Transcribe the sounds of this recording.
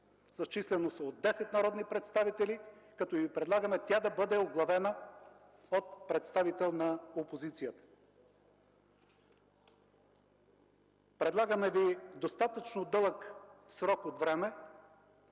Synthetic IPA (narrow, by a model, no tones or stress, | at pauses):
z̥ɐt͡ʃislɛnosɐod̪ːɛsɛt̪nɐɾɔd̪nipɾɛt̪st̪avit̪ɛlikɐt̪ɔivipɾɛd̪lˠaɡəmɛt̪ʲjad̪ɐbɤd̪ɛoɡlˠɐvɛnə | ot̪̚pɾɛt̪st̪avit̪ɛlˠnɐopozit̪sijət̪ə̥ | pɾɛd̪lˠaɡəmɛvid̪ost̪at̪ət͡ʃnod̪ɤlˠəksɾɔkot̪vɾɛmɛ